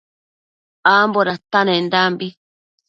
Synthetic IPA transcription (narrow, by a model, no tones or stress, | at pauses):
amboɾat̪anẽnd̪ambi